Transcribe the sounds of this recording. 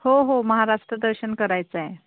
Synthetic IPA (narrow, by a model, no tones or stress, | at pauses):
hoɦoməɦaɾaʂʈɾəd̪əɾɕənkəɾajt͡sae